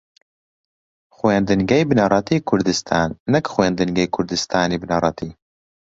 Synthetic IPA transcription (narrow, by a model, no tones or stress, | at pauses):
xweːnd̪ɨŋɡɛjbɨnɑɾˤɑt̪ʰiːkʰʊɾd̪ɨst̪ʰaːnːɛkxweːnd̪ɨnɡɛjkʰʊɾd̪ɨst̪ʰaːniːbɨnarˤɑt̪ʰiː